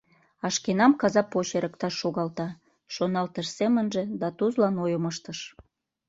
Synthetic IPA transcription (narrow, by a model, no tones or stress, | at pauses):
ɑʃkenɑmkɑzɑpoɕeɾʔəkt̪ɑʃːoɣɑlt̪ɑ | ʃonɑlt̪əʃsemənʒĕd̪ɑt̪uzlɑnojoməʃt̪əʃ